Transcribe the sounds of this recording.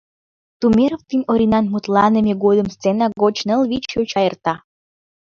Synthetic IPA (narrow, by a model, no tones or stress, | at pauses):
t̪umʲeɾoft̪inʲoɾʲinɑnmut̪lɑnə̆mʲeɡod̪ə̆mst͡senɑɡot͡ɕnəlβit͡ɕøt͡ɕɑjərt̪ɑ